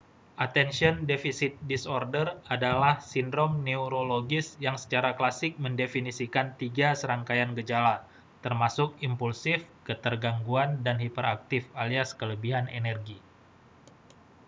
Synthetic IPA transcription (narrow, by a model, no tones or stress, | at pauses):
ʔat̪ɛnsiɔndefisɪt̪̚disɔrdəradalahsindɾɔmneuɾoloɡɪsjaŋsə̥t͡ʃaɾaklasɪk̚məndefinisikant̪iɡasəɾaŋkajanɡəd͡ʒala | t̪ərmasʊkimpulsɪfkət̪ərɡaŋɡuandanhipəɾa̰k̚t̪ɪfaliaskələbiɦanḛnɛrɡi